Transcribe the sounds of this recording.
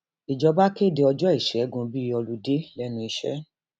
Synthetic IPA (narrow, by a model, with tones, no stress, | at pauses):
i˨d͡ʒɔ˨˧ba˦ke˦˨de˧ɔ˧d͡ʒɔ˦i˦˨ʃɛ˨˦ɡũ˧˦bi˦ɔ˧lu˦de˦lɛ˦nũ˧i˧ʃɛ̰˦